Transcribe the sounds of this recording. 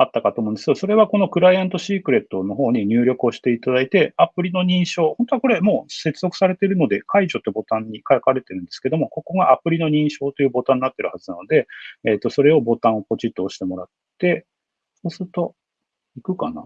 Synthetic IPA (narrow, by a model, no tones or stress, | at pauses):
at̪ːakat̪omõ̟neskeoso̞ɾe̞β̞ako̞no̞kɯ̟ɾaiãnt̪o̞ɕiːkɯ̟ɾe̞t̪ːo̞no̞ɦo̞ːɲ̟iɲ̟ɨːɾʲo̞kɯo̞ɕi̥t̪e̞it̪ad̪ait̪e̞apɯ̟ɾʲino̞ɲ̟ĩɰ̃ɕo̞ːhõ̞t̪o̞ako̞ɾe̞mo̞ːse̞t͡sɨzo̞kɯ̥saɾe̞t̪e̞ɾɯ̟no̞d̪e̞kʰaiʑo̞t̪ːo̞bo̞t̪ãɲ̟ːikakaɾe̞t̪e̞ɾɯ̟̃nd̪eske̞d̪o̞mo̞ko̞ko̞ɡaʔapɯ̟ɾʲino̞ɲ̟ĩɰ̃ɕo̞ːt̪o̞jɯ̟ːbo̞t̪ãɲ̟ʲːinat̪ːe̞ɾɯ̟hazɨnano̞d̪e̞ːt̪ːo̞so̞ɾe̞o̞bo̞t̪ãɰ̃o̞po̞t͡ɕit̪ːoːɕi̥t̪e̞mo̞ɾat̪ː | e̞ | so̞ːsɨɾɯ̟t̪o̞ | ikɯ̟kana̰